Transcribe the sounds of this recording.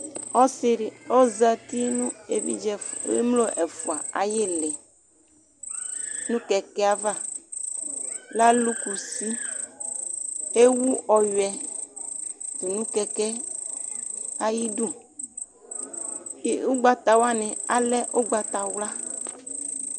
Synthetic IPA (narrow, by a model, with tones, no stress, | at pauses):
ɔ˦si˦ɾi˨ɔ˦za˦t̪i˦nũ˦e˨vḭ˦d͡ʒɛ˨ḛ˦mlo˦ʔɛ˨fu˨a˨a̰˨je˦lɛ˨ | nũ˦kɛ˨kɛ˦a˦va˦˨ | la˦lu˦ku˨si˦ | e˦wu˦ʔɔ˨jɛ˨ | t̪u˨nũ˦kɛ˨kɛ˦ | a˦ji˦du˦˨˦ | u˦ɡ͡ba˨t̪a˨wa˦nẽ˨a˨lɛ˦ʔo˦ɡ͡ba˨t̪a˨wla˦